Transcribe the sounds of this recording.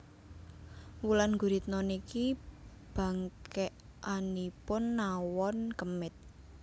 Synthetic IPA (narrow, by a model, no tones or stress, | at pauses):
wulanɡuɾit̪̚nɔniki | b̥a̤ŋkɛʔ | ʔanipʊnːawɔnkəmɪt̪̚